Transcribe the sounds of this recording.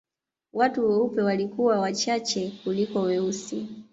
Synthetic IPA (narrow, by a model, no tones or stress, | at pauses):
watuwɛupɛwalikuwawat͡ʃat͡ʃɛkulikɔwɛusi